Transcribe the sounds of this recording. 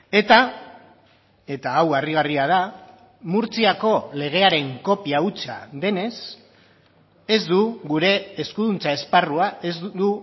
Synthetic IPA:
e̞t̪a | e̞t̪aːwariɣariað̞a | muɾt͡siako̞le̞ɣ̞e̞aɾe̞ŋko̞piaut͡sa̰ðe̞ne̞s | e̞zd̪uɣuɾe̞ːskuðunt͡sae̞sparuae̞zd̪u

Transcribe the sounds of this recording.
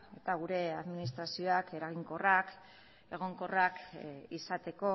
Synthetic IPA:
e̞t̪aɣ̞uɾe̞aðminis̬t̪ɾasio̞ake̞ɾaɣiŋko̞rak | e̞ɣ̞o̞ŋko̞rakisat̪e̞ko̞

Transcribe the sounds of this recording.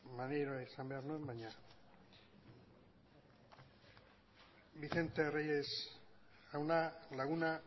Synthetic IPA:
maneɾoaisambe̞aɾnuembaɲa | βiθe̞nt̪e̞rejes | awnalaɣuna

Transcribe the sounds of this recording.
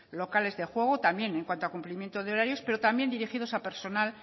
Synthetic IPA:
lokale̞zðexwe̞ɣ̞ot̪ambje̞ne̞ŋkwant̪oakumplimjent̪oð̞eo̞ɾaɾjo̞spe̞ɾo̞t̪ambje̞nd̪iɾixiðo̞sape̞ɾso̞nal

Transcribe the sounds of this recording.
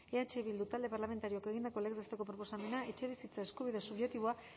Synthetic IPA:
e̞at͡ʃe̞βild̪ut̪ald̪e̞paɾlame̞nt̪aɾioakeɣind̪ako̞lekzest̪eko̞pɾo̞po̞same̞nae̞t͡ʃe̞β̞isit͡saeskuβiðesuβjekt̪iβo̞a

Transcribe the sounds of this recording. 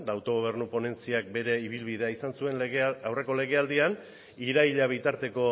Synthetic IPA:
d̪awt̪o̞ɣ̞o̞β̞e̞rnupo̞ne̞nt͡siak̚be̞ɾe̞iβ̞ilβið̞e̞aisansue̞nawre̞ko̞le̞ɣ̞e̞ald̪ian | iɾaiʎaβ̞it̪aɾt̪e̞ko̞

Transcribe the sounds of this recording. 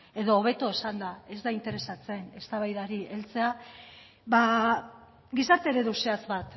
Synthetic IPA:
e̞ðo̞ːβ̞e̞t̪o̞esand̪ae̞zd̪aint̪e̞ɾe̞sat͡se̞ne̞st̪aβajðaɾiʔe̞lt͡se̞a | βa | ɡisaɾt̪e̞ɾeðuseazβat̪

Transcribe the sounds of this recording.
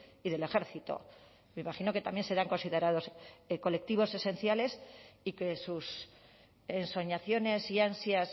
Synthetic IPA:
iðe̞le̞xe̞ɾθit̪o̞̰ | meimaχino̞ket̪amje̞nse̞ɾaŋko̞nsiðe̞ɾaðo̞sko̞le̞k̚t̪iβ̞o̞se̞se̞nθjale̞sike̞sus | enso̞ɲaθjo̞ne̞siansjas

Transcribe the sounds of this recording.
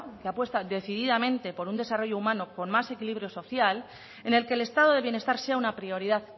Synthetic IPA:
keapwe̞st̪aðe̞θiðiðamẽ̞nt̪e̞po̞ɾund̪e̞saro̞ʝo̞umãnoko̞nmase̞kiliβ̞ɾjo̞so̞θjal | e̞ne̞lke̞le̞st̪að̞o̞ðe̞βje̞ne̞st̪aɾse̞aunapɾio̞ɾiðað

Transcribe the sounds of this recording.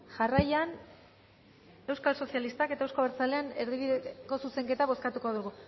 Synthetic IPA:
ʝarajan | e̞wskalso̞sialist̪ake̞t̪aewskoβeɾt͡sale̞ane̞ɾðiβiðeko̞suse̞ŋke̞t̪aβo̞skat̪uko̞ðuɣ̞u

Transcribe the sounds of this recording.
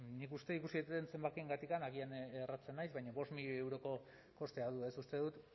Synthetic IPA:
nikust̪e̞ikusit̪et̪ense̞mbakieŋɡat̪ikanaɣ̞ianerat͡se̞nːajzβajɲaβo̞st̪miʎoe̞wɾo̞ko̞ | ko̞st̪e̞aðue̞sust̪e̞ðut̪

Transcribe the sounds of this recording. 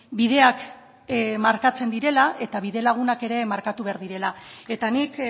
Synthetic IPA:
biðe̞ak | maɾkat͡se̞nd̪iɾe̞laʔe̞t̪aβiðe̞laɣ̞unake̞ɾe̞maɾkat̪uβe̞aɾðiɾe̞lae̞t̪anik

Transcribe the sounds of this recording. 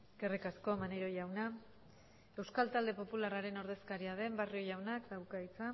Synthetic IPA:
ɡerekasko̞maneɾo̞jawna | e̞wskalt̪ald̪e̞po̞pularaɾe̞no̞ɾðe̞skaɾiað̞e̞mbario̞jawnakd̪awkajt͡sa

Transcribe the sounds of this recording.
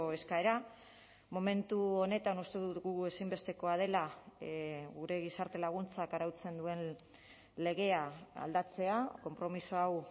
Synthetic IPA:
oe̞skae̞ɾa | mo̞me̞nt̪uo̞ne̞t̪anust̪e̞ðut̪ɣue̞simbe̞st̪e̞ko̞að̞e̞la | ɣuɾe̞ɣ̞isaɾt̪e̞laɣ̞unt͡sakaɾawt͡se̞nd̪ue̞n | le̞ɣe̞aa̰ld̪at͡se̞ako̞mpɾo̞misoaw

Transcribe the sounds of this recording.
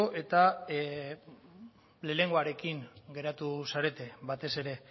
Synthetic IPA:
ʔe̞t̪a | le̞le̞ŋɡoaɾe̞kiŋɡe̞ɾat̪usaɾe̞t̪e̞bat̪e̞se̞ɾe̞

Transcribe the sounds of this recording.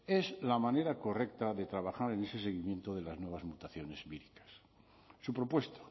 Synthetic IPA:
e̞slamãneɾako̞rekt̪aðe̞t̪ɾaβaxaɾene̞se̞se̞ɣimjent̪oðe̞laznwe̞β̞azmut̪aθjone̞zβiɾikḁsː | upɾo̞pwe̞st̪ḁ

